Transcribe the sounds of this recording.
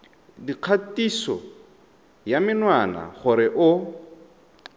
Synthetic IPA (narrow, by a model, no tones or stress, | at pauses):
diq͡χʰatisɔ̰ | jamɪnwana̰χʊɾɪʔʊ